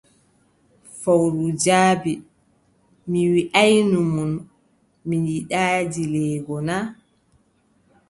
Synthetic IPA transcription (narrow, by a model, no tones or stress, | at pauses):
fawɾud͡ʒaːbi | miwiʔajnumun | minjiɗaːd͡ʒilɛːɡɔna